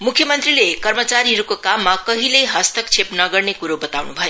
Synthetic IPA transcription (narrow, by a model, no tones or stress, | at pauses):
mukʰjʌmʌnt̪rilekʌrmʌt͡saɾiɦʌɾukokamːakʌɦilejɦʌst̪ʌkt͡sʰepnʌɡʌrnekuɾobʌt̪awnubʱʌjo